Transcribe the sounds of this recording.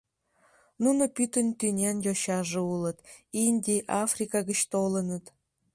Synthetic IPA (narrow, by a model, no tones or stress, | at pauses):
nunopʲyt̪ʲə̆nʲt̪ʲynʲenʲjoɕɑʐɤ̆ulˠɤ̆t̪inʲdʲiʔɑfrʲikɑɡə̆t͡ɕt̪olˠɤ̆nɤ̆t̪